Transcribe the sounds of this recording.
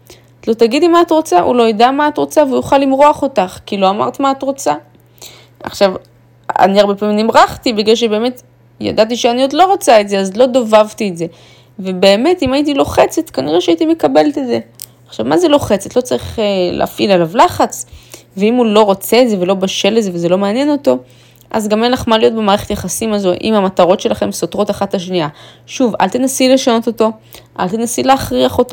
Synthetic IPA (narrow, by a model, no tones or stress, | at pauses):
zlo̞t̪aɡid̪imaːtʁo̞t͡saʔṵlo̞jadamaːt̪ʁo̞t͡saveujuχalːimʁoaχo̞taχkilo̞ama̰ʁt̪maːt̪ʁot͡sa | a̰χʃav | a̰niaʁbe̞paːmimnimʁaχtibiɡlalʃ̬ebe̞ːmet | ja̰dat̬iʃeaniod̪lo̞ʁot͡saetzeazlo̞d̪ovavtietze̞ | vebe̞ːme̞timait̬ilo̞χe̞t͡se̞t̪kaniʁeʃeait̪ime̞kabe̞let̪etze̞ | aχʃavmazelo̞χe̞t͡set̪lo̞t͡saʁiχelḛafʔilalavlaχat͡s | veimulo̞ʁo̞t͡se̞ːtze̞ve̞lo̞baʃe̞lezeveze̞lo̞meanjeno̞to̞ | ʔa̰zɡamenlaχmalijo̞t̚bemaːʁeχe̞t̪jeχasimazo̞ʔḭmhamataʁo̞tʃe̞laχe̞mso̞tʁo̞taχatlaʃ̬niaʃuva̰lt̪enasile̞ʃano̞to̞to̞ʔa̰lt̪enasileːχʁiaχo̞to